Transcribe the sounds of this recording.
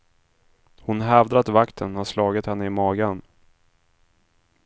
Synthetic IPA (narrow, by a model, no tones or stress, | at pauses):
hʊnɦɛvd̪ɾat̪vakt̪ʰənhaslɑːɡət̪hɛnːəɪmɑːɡan